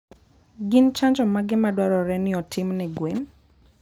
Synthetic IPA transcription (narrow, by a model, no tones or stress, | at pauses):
ɡɪnt͡ʃaɲd͡ʒɔmaɡɪmadwaɾɔɾɛnɪɔtʰɪmnɛɡwen